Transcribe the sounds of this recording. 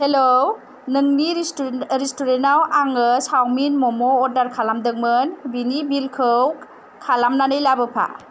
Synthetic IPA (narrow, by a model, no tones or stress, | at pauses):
helo | nɯŋniɾistuɾenawaŋɯsawminmɔmɔːɾdaɾkʰalamdɯŋ̚mɯnbinibilkʰɯw | kʰalamnanɯjlabɯpʰa̰